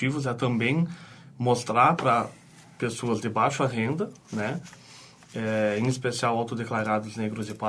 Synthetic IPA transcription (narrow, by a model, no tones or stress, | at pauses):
ivʊzɛt̪ɐ̃mbẽj̃most̪ɾaɾpɾɐ | pesoɐzd̪ɪbajʃʊɐɦẽnd̪ɐ | nɛ | ɛẽj̃ispesiawawt̪od̪eklaɾad̪ʊzneɡɾʊzɪpa